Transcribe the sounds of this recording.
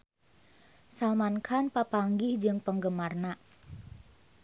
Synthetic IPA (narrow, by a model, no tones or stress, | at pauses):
salmankʰanpapaŋɡɪhd͡ʒɨŋpəŋɡəmarnaʔ